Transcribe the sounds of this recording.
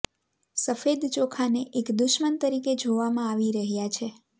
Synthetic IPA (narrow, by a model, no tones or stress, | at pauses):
səfed̪t͡ʃokʰaneʔekd̪uʃmənt̪əɾiked͡ʒʱoʋamãaʋiɾəɦjat͡ʃʰe